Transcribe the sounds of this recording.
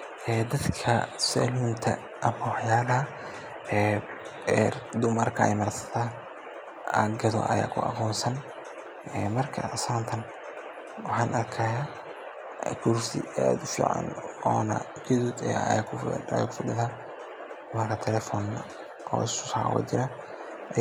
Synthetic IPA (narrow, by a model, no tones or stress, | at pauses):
ʔɛːd̪ɐd̪kʰɐsɛ̰lunt̪ʰɐ̰ | ʔɐmɐwɑħjaːlɐɦɐ | ɛ | d̪ʊmɐrkʰɐɛ̰jmɐrsɐ̥t̪ʰaː | ɐɡɐðɔ̰ʔɐ̰ja̰ːkʰʊ̰ɐ̰qɔːnsɐn | ɛːmɐrkʰɐ̰saːnt̪ʰɐn | wɑħɑːnʔɐrkʰɐjaː | kʰʊɾsɪ̰ad̪ʊfḭːʕa̰nɔːnɐ̰ | ɡʰɛðuːd̪ɛkʰja̰ːkʰʊ̥fɐɗɪðaː | d̪ʊmɐrkʰɐt̪ʰɛlɛːfɔːn | ʔɔ̰ːɪsʊ̥sa̰ʕ̰wɐ̰d͡ʒɪɾa